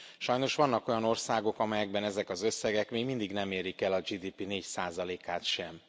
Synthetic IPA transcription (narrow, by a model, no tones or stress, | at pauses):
ʃɒjno̞ʃʋɒnːɒko̞jɒno̞rsaːɡo̞kɒmɛjɛɡbɛnɛzɛkɒzø̞sːɛɡɛkmeːɡmind̪iɡnɛmeːɾikɛlɒd͡ʒid̪iːpineːcsaːzɒleːkaːt̪ʃɛm